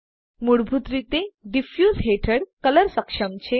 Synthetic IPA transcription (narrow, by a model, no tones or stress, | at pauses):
muɽbʱut̪ɾit̪eɖifjuːzɦeʈʰəɽkələɾsəkʂəmt͡ɕe